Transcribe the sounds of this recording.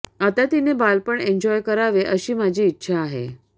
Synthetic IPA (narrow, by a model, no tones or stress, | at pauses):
at̪at̪inebalpəɳeɲd͡ʑɔjkəɾaʋeʔəɕiːmad͡ʑʱiːtːɕʰaːɦḛ